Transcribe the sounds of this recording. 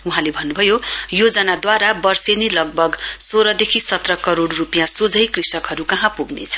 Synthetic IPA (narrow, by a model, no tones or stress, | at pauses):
uɦãlebʱʌnːubʱʌjojod͡zʌnad̪waɾabʌrsenilʌɡ̚bʱʌɡsoɾʌd̪ekʰisʌt̪rʌkʌɾoɽrupjãsod͡zʱʌjkrisʌkɦʌɾukʌɦãpuɡnḛt͡sʰʌ̥